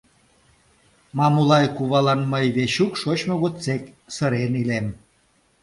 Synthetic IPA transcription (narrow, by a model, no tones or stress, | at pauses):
mɑmulɑjkuβɑlɑnməjβeɕukʃot͡ɕmoɣot͡sek | səɾenilem